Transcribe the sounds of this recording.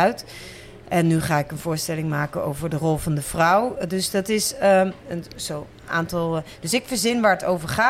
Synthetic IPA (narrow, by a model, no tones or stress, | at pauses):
ɥt | ʔɛnːyχaːɪkənv̥ʊːɹstɛlɪŋmaːkəno̰wvəɹdərɔlˠvɑndəv̥rʌwdɵsdɑtɪsəənzow | a̰ːntɑlˠd̥ɵsɪkfəɹzɪnʋaːɹətowvəɹχaː